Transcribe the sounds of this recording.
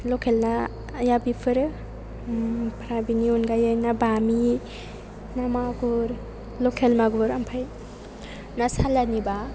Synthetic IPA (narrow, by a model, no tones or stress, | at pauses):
lokʰelna | jabipʰɯɾ | pʰɾabiniunɡajajnabami | namaɡuɾ | lokʰelmaɡuɾampʰaj | nasalaniba